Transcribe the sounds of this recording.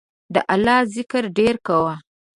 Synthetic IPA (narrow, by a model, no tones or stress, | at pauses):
d̪ə̰ʔalɑzɪkəɾɖeɾkawa